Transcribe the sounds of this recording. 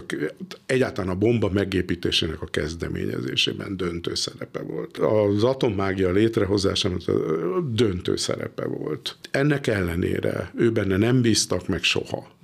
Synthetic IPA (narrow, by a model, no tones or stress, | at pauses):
kɛɟːaːt̪ɒlaːnɒbo̞mbɒmɛɡeːpiːt̪eːʃeːnɛkɒkɛzd̪ɛmḛːɲɛ̰zeːʃeːbɛnd̪ø̞nt̪øːsɛɾɛpɛvolt̪ɒzɒt̪o̞mːaːɡijɒleːt̪rɛɦo̞za̰ːʃamot̪d̪ø̞nt̪ø̰ːsɛ̰ɾɛ̰pɛ̰vo̞lt̪ɛnːɛkɛlːɛnḛːɾɛøːbɛnːɛnɛmbiːst̪ɒkmɛkʃo̰hɒ